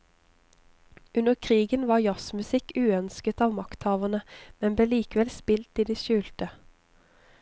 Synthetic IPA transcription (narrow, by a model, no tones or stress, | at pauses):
ʉnəʁkʰʁiːɡənʋɑːʁjɑsmʉsɪkʉːœnskət̪ɑːʋmɑkt̪hɑːʋəʁnəmɛnbleːliːkəʋɛlspɪlt̪iːd̪iːʃʉːlt̪ə